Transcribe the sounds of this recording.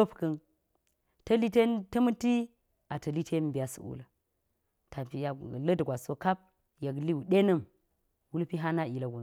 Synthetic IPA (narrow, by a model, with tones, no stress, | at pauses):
o˦pkɐ˦n | tɐ˦li˦te˦ntɐ˦mɨ˦ti˦ | a˨tɐ˨li˦tʰe˦m˨bi˨ja˨sṵ˨ṵ˦la˨ | ta˨pi˨ja˨lə˦dɡʷa˨so˦ka˦p̚ | ja˨ɡli˦wu˨ɗe˦nɐ˦˨m | wu˦lpi˦ɦa˦na˦i˨la˨ɡu˨